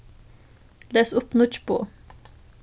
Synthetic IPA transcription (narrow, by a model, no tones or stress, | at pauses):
leːsʊpnʊt͡ʃpo̰ː